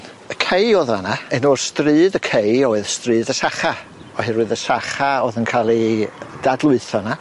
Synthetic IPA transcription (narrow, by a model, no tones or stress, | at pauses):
əkʰejoðanaɛnɔrstrɨːðəkʰejɔɨðstrɨːðəsaχa | ɔhɨrɨðəsaχaoːðənkʰalˠid̥adlˠʊɨθɔna